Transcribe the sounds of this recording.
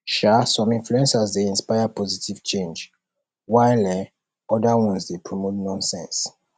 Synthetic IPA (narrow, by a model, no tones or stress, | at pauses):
ʃasɔ̃mĩnfluɛ̃nsazdeĩnspajapɔzitiv̥t͡ʃẽnd͡ʒ | wajlɛ | ɔdawɔ̃nsdepʰɹɔmotnɔ̃nsɛ̰̃ns